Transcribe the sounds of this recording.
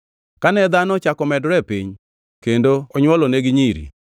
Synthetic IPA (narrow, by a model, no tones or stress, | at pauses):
kanɛd̪anɔt͡ʃakɔmɛdɾɛpḭɲ | kendoɔɲwɔlɔneɡɪɲiɾḭ